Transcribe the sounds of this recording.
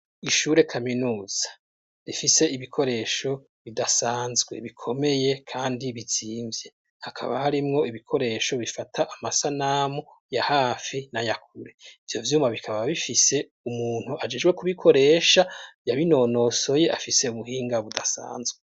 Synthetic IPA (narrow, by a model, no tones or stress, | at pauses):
iʃuːɾe̞kʰaminuːz̥ḁ | ɾifise̞iβikʰo̞ɾe̞ːʃo̞ | βidasaːnzɡwe̞̰βikʰo̞me̞je̞kʰaːndiβit͡siːmvje̞ | hakʰa̰βa̰haɾimŋo̞iβikʰo̞ɾe̞ːʃo̞βifatʰaʔamasanamu | jahaːfinajakʰuɾeiv̥jo̞vjuːmaβikʰaβaβifise̞ | umuːn̥huad͡ʒed͡ʒɡwe̞kuβikʰo̞ɾe̞ːʃajaβino̞no̞so̞je̞ʔafise̞uβuɦiːŋɡaβudasa̰ːnzɡwe